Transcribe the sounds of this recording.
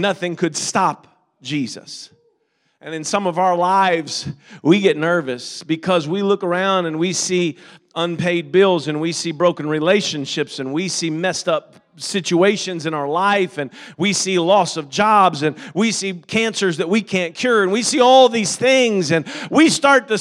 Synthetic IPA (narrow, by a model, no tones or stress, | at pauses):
nʌθɪ̃ŋkʰɨd̥stɑp̚ | d̥ʒ̥izɨ̰s | ʔɨ̃nɨ̃nsʌ̃mʌvaʊə˞laɪvz̥wiɡɛtⁿnɜ˞vɨsb̥ɨkʰʌzwilʊkə˞ãʊ̃ndɨ̃nwisiʌ̃npʰeɪd̚bɪlˠzɨ̃nwisibɹoʊkɨ̃n̩ɹileɪʃɨ̃nʃɪpsɨ̃nwisimɛstʌp̚ | sɪt͡ʃueɪʃɨ̃nzɨ̃ñaʊə˞laɪfɨ̃nwisilɔsʌvd͡ʒɑbzɨ̃nwisikʰæ̃nsə˞zðɨt̚wikʰæ̃nkʰj̥ʊɹɨ̃nwisiɔlˠðiz̥θɪ̃ŋzɨ̃nwistɑɹt̪̚ɨ